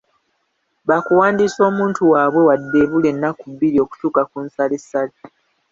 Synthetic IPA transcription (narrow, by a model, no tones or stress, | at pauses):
βakuwaːndiso̞ːmuːntuwaːβwe̞wadːe̞βule̞nːakuβːiɾio̞ku̥tuːkakunsalesːale